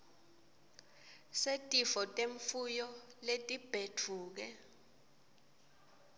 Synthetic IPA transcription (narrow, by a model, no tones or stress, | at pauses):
setʼifɔtʼeɱfujɔletʼib̥ʱetʰuːk̬ɛ